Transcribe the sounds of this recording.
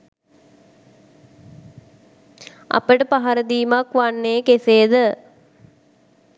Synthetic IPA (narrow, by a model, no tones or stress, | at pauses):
a̰pəʈəpaɦaɾəd̪iːmakʋanːeːkeseːd̪ə